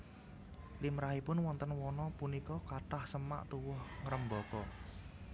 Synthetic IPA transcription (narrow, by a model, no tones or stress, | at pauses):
limɾahipʊnwɔnt̪ənwɔnɔpunikɔkaʈahsəma̰ʔt̪uwʊhŋɾəmbɔkɔ